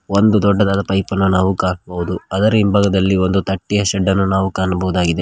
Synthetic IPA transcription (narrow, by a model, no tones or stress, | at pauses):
o̞nd̪ud̪ɔɖːɐd̪aːd̪ɐpɐjpɐnːunaːʋukaːnɐbɐʋud̪uɐd̪ɐɾimbɐɡɐd̪ɐlːio̞nd̪ut̪ɐʈːijɐʃɛɖːɐnːunaːʋukaːnɐbɐɦud̪aːɡid̪e̞